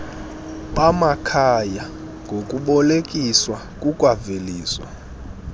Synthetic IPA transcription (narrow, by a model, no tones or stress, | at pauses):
ɓʼamakʰaja | ŋɡʱokʼuɓɔlekʼiswa | kʼukʼwaveliːswa̰